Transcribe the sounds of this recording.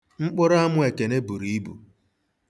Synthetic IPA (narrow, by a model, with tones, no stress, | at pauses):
ŋ͡m̩˦k͡pʊ˦ɾa˦mʊ˦e˨ke˨ne˦bu˨ɾi˨i˦bṵ˨